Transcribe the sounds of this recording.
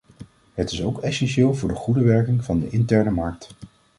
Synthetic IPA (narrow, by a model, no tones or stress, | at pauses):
ɦətɪsowkɛsɛnʃɪːlˠvʊːɹdəχudəʋɛɹkɪŋvɑndəʔɪntɛɹnəmɑɹk̚t